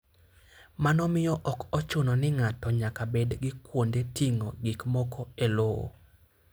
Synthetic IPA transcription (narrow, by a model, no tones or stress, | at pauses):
manɔmɪjɔʔɔkɔt͡ʃʊnɔnɪŋatɔɲakabedɡɪkwondetiŋoɡikmɔkʰɔeloo̰